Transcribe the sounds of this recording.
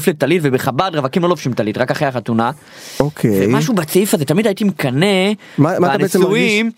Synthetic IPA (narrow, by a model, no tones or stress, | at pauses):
flet̪alitvebeχabad̪ʁavakimlo̞lofʃimtalit̪ʁakaχejaχat̪una | okʰevejmaʃubat͡sifazet̪amid̪ajit̪imekane | mamaaanebemuim